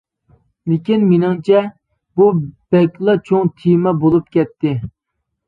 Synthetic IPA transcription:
lɪkʲinmɪnɪŋt͡ʃʰɛ | bub̥ɛkʲlˠɑt͡ʃʰoŋt̪ʰimɛbolˠup̚kʲɛt̪ʰːɪ

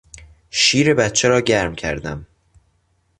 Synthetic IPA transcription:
ʃiːɾe̞bæt̪t͡ʃʰeɾɒːɟæɾmcʰæ̰ɾd̪æm

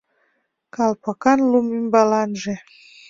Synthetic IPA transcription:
kɑlpɑkɑnlumymbɑlɑnʒĕ

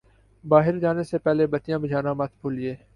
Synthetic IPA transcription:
baːɦɪɾd͡ʒaːnesepɛɦlebət̪ɪjãːbɪd͡ʒʱaːnãːmɐt̪ʰbʰoːlɪeː

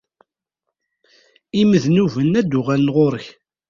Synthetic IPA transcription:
iməðnuvənːæd̪ːʊʁælənʁoɾəç

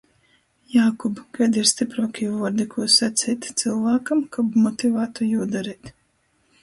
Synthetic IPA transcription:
jaːkubɡajd̪iɾst̪ipɾoːkʲijuvɔɾd̪ikʰuːsat̪sʲiːt̪ʲt̪sɨlˠvaːkamkabmɔt̪ivaːt̪ujuːd̪aɾiːt̪

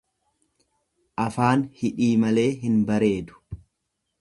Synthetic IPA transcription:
ʔɐfaːnhɪᶑiːmɐle̞ːɦɪnbɐɾe̞ːd̪ʊ̥

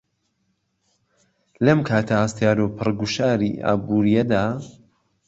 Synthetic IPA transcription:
lɐmkʰaːt̪ʰɐhast̪jaːɾopʰɨrɡuʃaːɾḭʔa̰ːbuːɾijɛd̪aː

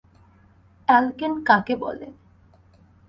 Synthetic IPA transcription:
ɛlkenkãkebɔ̰lḛ

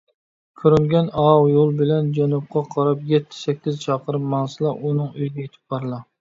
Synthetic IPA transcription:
kʲʰøɾyŋɡʲɛnɑwjolˠbɪlɛnd͡ʒɛnup̚qʰɑqʰɑɾɑpjɛt̪ʰːɪ̥sɛkʲʰːizt͡ʃʰɑːqəɾɨpmɑŋsɨlˠɑʔunɨŋyjd̪ʲɛjet̪ʰɪ̥p̚bɑɾɨlˠɑ

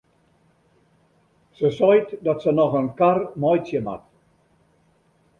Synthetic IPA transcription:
səsɔjtdɔtsənɔxənkarmɔjsjəma̰t

